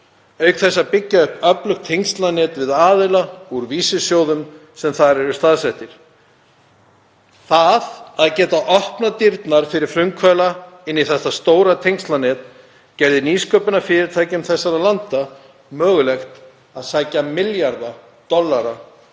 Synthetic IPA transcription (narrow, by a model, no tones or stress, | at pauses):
œɥkθɛsːapɪcːaʏhpœplʏxkt̪ʰːejŋst̪lanɛːt̪vɪðaːðʏlauɾviːsɪsjoːwðʏmsɛmθaɾɛɾʏst̪aðsɛht̪ɪɾ̥ | θaðaðcɛːt̪aʔɔhpnat̪iɾt̪naɾ̥fɪɾɪɾ̥fɾʏmkʰvœːlaɪnːiθɛht̪ːast̪oːwɾat̪ʰejŋst̪lanɛːt̪ | cɛɾðɪniːskœːpʏnafɪɾɪɾ̥t̪ʰaːjcʏmθɛsːaɾalant̪a | mœːɣʏlɛxt̪ | aðsaːjcamɪljaɾða | t̪ɔlːaɾa